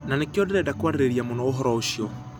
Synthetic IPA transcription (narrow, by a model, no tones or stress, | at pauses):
nanekiɔdɛɾɛdakuaɾɾeɾiamunɔoɦɔɾɔoʃiɔ